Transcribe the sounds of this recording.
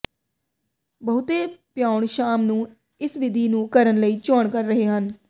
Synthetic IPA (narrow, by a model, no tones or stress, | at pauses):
bəɦʊt̪eːpjaːʊɳʃaːmnũː | ɪsʋɪd̪ʱiːnũːkəɾənləiːt͡ʃoːɳkəɾːəɦeːɦən